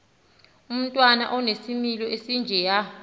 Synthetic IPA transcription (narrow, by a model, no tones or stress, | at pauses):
um̩tʼwana̰ʔɔnesimilɔesind͡ʒʱɛja